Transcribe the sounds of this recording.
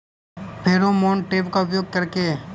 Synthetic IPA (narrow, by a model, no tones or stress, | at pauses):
pʰeːɾomoːɳʈeːpkaʊpjoːɡ̚kɐɾke